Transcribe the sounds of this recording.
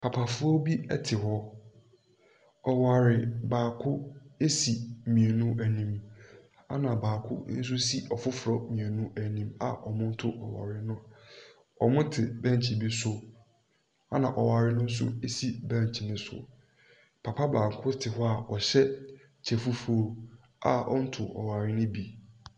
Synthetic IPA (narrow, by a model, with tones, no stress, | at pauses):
pʰa˨pʰa˨fʊ˦ɔ˦bi˦ɛ˦tʰɪ˨ɦɔ˦ | ɔ˨wa˨ɾɪ˨baː˨kʰʊ˦e˦si˨mĩ˨e˨nũ˦æ˨nĩ˦m | a̰˦nã˨baː˨kʰʊ̰˦n̩˦s̬ʊ˦si˦ʔɔ˨fʊ˦fʊ˨ɾɔ˨mĩ˨e˨nũ˦æ˨nĩ˦ma̰˨ʔɔ˨mʊ̃˦n̩˦tʰʊ˦ʔɔ˨wa̰˨ɾɪ˨nʊ̃˦ | ɔ˨mʊ̃˦tʰɪ˨bæ̃˦ɲ˨t͡ɕʰi˨bi˦sʊ˦ | a˦nã˨ʔɔ˨wa˨ɾɪ˦nʊ̃˦n̩˦s̬ʊ̰˦e˦si˨bæ̃˦˨ɲ˨t͡ɕʰi˨nɪ̃˦sʊ̰˨ | pʰa˨pʰa˦baː˨ŋ˨kʰʊ˦tʰɪ˨ɦʊ˦a˦˨ɔ˨ɕɛ˦ | t͡ɕʰɛ˨fu˦fu˦o˦ | a˨ɔ̰˦n̩˦tʰʊ˨ʔɔ̰˨wa˨ɾɪ˦nʊ̃˦bi˨